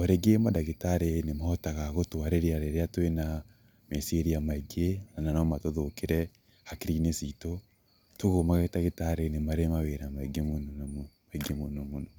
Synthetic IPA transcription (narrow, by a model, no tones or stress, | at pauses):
aɾeɡemadaɣetaɾenemaɔtaɣaɣotoaɾeɾiaɾeɾeatwena | mesieɾijamaiɡenananɔmatoðokeɾɛ | hakiɾinesito | toɣomaɣaetaɣetaɾenemaɾemaweɾamaiɡemonmaiɡemonomonɔ